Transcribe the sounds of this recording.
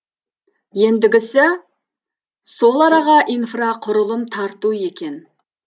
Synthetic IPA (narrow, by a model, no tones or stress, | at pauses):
je̞nd̪ɪɡʲɪsɪ | so̞lˠɑɾɑʁɑʔinfraqʰʊɾəlˠəmt̪ʰɑɾt̪ue̞kʲe̞n